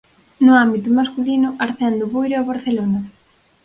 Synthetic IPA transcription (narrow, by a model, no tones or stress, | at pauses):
nʊambit̪ʊmaskulinʊʔaɾθɛnd̪oβujɾeaβaɾθelona